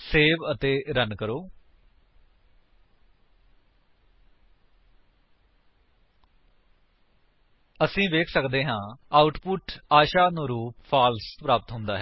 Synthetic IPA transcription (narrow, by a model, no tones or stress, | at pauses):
seːʋət̪eːɾənkəɾoː | əsĩːʋeːkʰsəkd̪eːɦãːaːʊʈpʊʈaːʃaːnũːɾuːpfʰaːlspɾaːpət̪ɦʊnd̪aːɦɛː